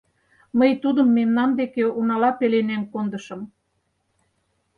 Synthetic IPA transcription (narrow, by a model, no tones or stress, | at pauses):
məjt̪ud̪ə̆mːemnɑmd̪ekeunɑlɑpelenæŋkond̪əʃɤ̆m